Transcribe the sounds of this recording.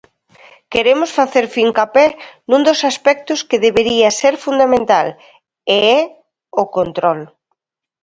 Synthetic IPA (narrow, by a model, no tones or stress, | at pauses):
keɾemʊsfaθeɾfiŋkapɛnũnd̪osaspɛk̚t̪ʊskeðeβeɾiɐseɾfund̪amẽnt̪al | eɛ | ʊkont̪ɾɔl